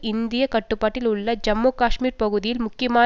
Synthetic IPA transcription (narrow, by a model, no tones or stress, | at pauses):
ind̪ijɐkɐʈːupːaːʈːiluɭːɐd͡ʒɐmːuːkaːʂmiːɾpɐɣuðijilmʊkːjɐmaː